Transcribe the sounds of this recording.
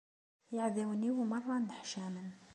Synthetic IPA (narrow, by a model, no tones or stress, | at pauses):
jaʕðawniwmɑrˤːɑnd̪aħʃaːmən